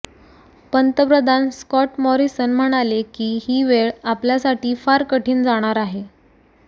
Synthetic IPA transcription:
pənt̪əpɾəd̪ʱanskɔʈmɔɾisənm̤əɽ̃alekiːhiːʋeɭapljasaʈiːfaɾkəʈʰiːnd͡zaɽ̃aɾaɦe

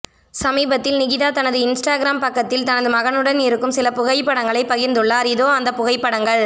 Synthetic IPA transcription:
sɐmiːbɐt̪ːɪlnɪɣɪðaːt̪ɐnɐðɯɪnsʈaːɡɪɾaːmpɐkːɐt̪ːɪlt̪ɐnɐðɯmɐɣɐnɯɽɐniɾɯkːɯmsɪlɐpʊɣɐɪpːɐɽɐŋɡɐɭɐɪpɐɣɪɾnd̪ɯɭːaːɾɪðoːɐnd̪ɐpʊɣɐɪpːɐɽɐŋɡɐɭ

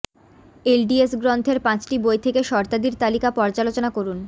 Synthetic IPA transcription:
elɖiesɡɾɔnt̪ʰeɾpãt͡ɕʈibojt̪ʰekeʃɔɾt̪ad̪iɾt̪alikapɔɾd͡ʑalot͡ɕonakoɾun

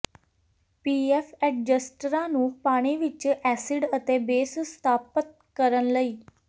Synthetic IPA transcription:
piːɛːfʰɛːʈ̚d͡ʒəsʈɾãːnũːpaːɽ̃iːʋɪt͡ʃɛːsɪɖət̪eːbeːsst̪ʰaːpət̪̚kəɾənləiː

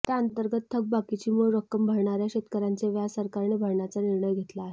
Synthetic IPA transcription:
t̪jaənt̪əɾɡət̪t̪ʰːəɡ̚bakit͡ɕiːmuɭɾəkːəmbʱəɾɳaɾjaɕet̪kəɾant͡seʋjasəɾkaɾɳebʱəɾɳjat͡saniɾɳəjɡʱet̪laːɦe

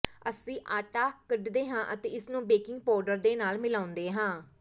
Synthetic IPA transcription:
əsĩːʔaːʈaːkəɖd̪eːɦãːʔət̪ḛːɪsnũːbeːkɪ̃ŋɡ̚pɔːɾɖəɾd̪eːnaːlmɪlaːʊ̃nd̪eːɦãː

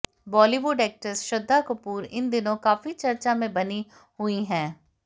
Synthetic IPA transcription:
bɔːliːʋʊɖɛːk̚ʈəsʃəd̪ːaːkʊpuːɾɪ̰nd̪ɪnõːkaːfit͡ʃəɾt͡ʃaːmẽbəni | hʊiːɦɛ̃ː

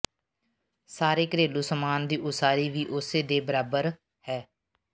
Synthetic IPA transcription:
saːɾeːkəɾeːluːsəmaːnd̪iːʔʊsaːɾiːʋiːʔʊseːd̪eːbəɾaːbəɾ | hɛː

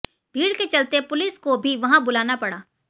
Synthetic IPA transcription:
bʱiːɽket͡ʃɐlt̪epʊlɪskobʱiʋɐɦãbʊlaːnapɐɽaː

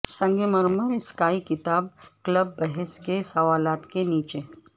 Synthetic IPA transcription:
sɐ̃ŋɡeməɾməɾskaːikɪt̪aːb̚kləbːɛɦɛskesɐʋaːlaːt̪keniːt͡ʃe

